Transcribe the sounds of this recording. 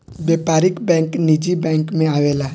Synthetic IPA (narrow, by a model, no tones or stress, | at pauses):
beːpaːɾɪkbɛ̃ːŋknid͡ʒibɛ̃ːŋkmẽaːʋeːla